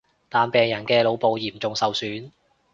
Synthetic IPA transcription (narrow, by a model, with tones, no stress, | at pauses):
t̪aː˨npɛː˨ŋjɐ˨˩nkɛː˧lo˨˧wpo˨wjiː˨˩mt͡sʊ˨ŋsɐ˨˧wsyː˨˥n